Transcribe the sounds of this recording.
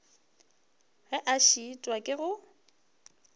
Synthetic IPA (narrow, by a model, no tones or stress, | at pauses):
ɣɛʔaʃitʼwakʼɪɣʊ